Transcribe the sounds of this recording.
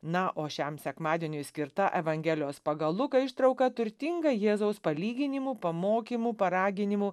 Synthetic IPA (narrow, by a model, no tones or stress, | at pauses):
nɐʔoːʃʲɛmsʲɛkmɑːd̪ʲeɛnʲʊɪsʲkʲɪɾt̪ɐʔɛʋɐŋʲɡʲeːlʲɪjoːspɐɡɐlˠʊkɐɪʃt̪ɾɐʊkɐt̪ʊɾʲt̪ʲɪŋɡɐjeːzɐʊspɐlʲiːɡʲɪnʲɪmuːpɐmoːkʲiːmupɐɾɑːɡʲɪnʲɪmuː